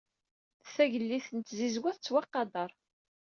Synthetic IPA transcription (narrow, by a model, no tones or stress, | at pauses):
θæʝəlːiθənt̪zizwæθt͡sːwɑqːɑd̪ˤɑɾˤ